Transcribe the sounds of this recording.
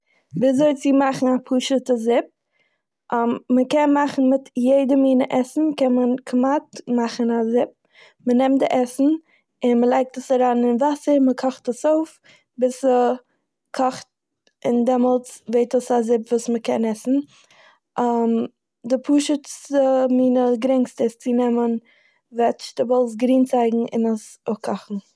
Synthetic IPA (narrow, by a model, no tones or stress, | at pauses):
bɪzoɪt͡sɪmaχn̩apʰuːʃətəzɪp̚ | ʔmːəkɛnmaχn̩mɪtjeɪdəmiːnəʔɛsn̩kɛnmənkʰmatmaχən̩azɪp̚ | mənɛmtdɪʔɛsn̩ | ɪnməlˠaɪk̚təsaɾaːnɪnvasəɾməkʰɔχtəsoʊf | bɪsə | kʰɔχt̚ | ɪndɛmɔlˠt͡sveɪtəsazɪpvuːsməkɛnɛsn̩ | am | dɪpʰuːʃət͡səmiːnəɡɾɪŋkstəst͡sinɛmən | vɛt͡ʃd̥ɪvɔlˠs̬ɡɾiːnt͡saɪɡŋ̩ɪ̰nəsokʰɔχn̩